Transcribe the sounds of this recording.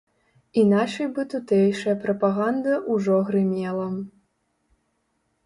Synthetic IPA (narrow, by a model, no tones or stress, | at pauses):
inaʂɐjbɨt̪ut̪ɛjʂɐjɐpɾɐpaɣand̪ɐʔuʐɔɣɾɨmʲɛlˠɐ